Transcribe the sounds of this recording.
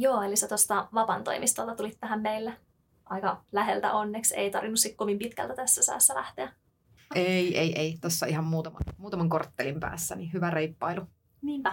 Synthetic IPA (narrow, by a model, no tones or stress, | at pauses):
joːeliset̪ost̪ɑʋɑpɑnt̪o̰imist̪ɑlt̪ɑt̪ulit̪ːæɦæmmeilːe | ʔɑikɑlæɦelt̪æ̰ʔonːeksḛit̪ɑrʋinːussikkoʋimpit̪kæ̰lt̪æt̪æsːæsæ̰ːsːælæ̰ht̪eæ | eieiʔeit̪osːɑiɦɑmmuːt̪ɑmɑmuːt̪ɑmɑŋkort̪ːelimpæ̰ːsːænihyʋæreipːɑilu | niːæ